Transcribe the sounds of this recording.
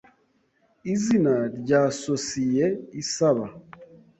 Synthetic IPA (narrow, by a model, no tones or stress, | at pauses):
izinaɾɟaːsosijeisaβa